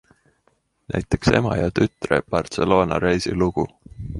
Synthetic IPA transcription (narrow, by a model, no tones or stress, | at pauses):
nʔæ̰jt̪ːˑe̞̥kse̞̰mɑjɑt̪yt̪reb̥ɑrt̪se̞lo̞ːnɑ̰ɾejsiluɡ̥u